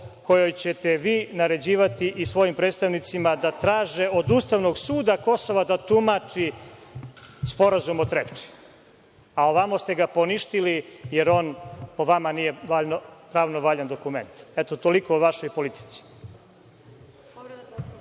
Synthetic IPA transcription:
ko̞jojt͡ɕet̪eʋiːnaɾe̞d͡ʑiːʋat̪iʔisʋo̞jimpɾed̪st̪aʋnit̪simad̪at̪ɾaːʒeʔod̪uːst̪aʋno̞ɡsuːd̪ako̞so̞ʋad̪at̪umat͡ʂi | spo̞ɾazumot̪ɾept͡ʃi̥ | aoʋamost̪eɡapo̞niʃt̪ilijeɾo̞npo̞ʋamanije̞ʋaʎnopɾaːʋnoʋaʎand̪o̞kumḛnt̪ɛt̪ot̪oliko̞uʋaʃo̞jpo̞lit̪i̥t̪si̥

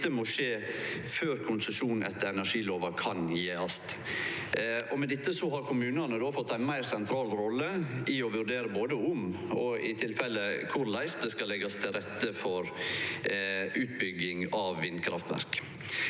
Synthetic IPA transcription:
əmɔʂeːføːɾkʰʊnsəʃuːnn̩ʔɛ̰t̪ːəɾɛnæʂiːloːʋɑkʰɑnjeːɑst̪ | ɔmɛd̪ɪt̪ːəsɔɦɑɾkʰʊmʉːnɑnəd̪oːfɔt̪ːæɪnmæɪɾsɛnt̪ʰɾɑːlɾɔlːəɪɔʋʉɾɖ̪eːɾəboːd̪əʊmɔɪt̪ʰɪlfɛlːəkʰʊɾlæɪst̪̚d̪ɛskɑlɛɡɑst̪ʰɪlɾɛt̪ːəfɔɾ | ʉːt̪bʏɡɪŋɑʋːɪnkʰɾɑ̰ft̪ʋæ̰ɾk

